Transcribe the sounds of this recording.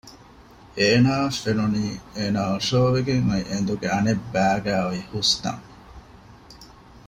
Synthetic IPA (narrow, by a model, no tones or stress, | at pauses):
eːnaːfenuniːeːnaːoʂoːʋeɡeŋɐiʔend̪uɡeɐnebːæːɡæːʋihust̪ɐ̰ŋ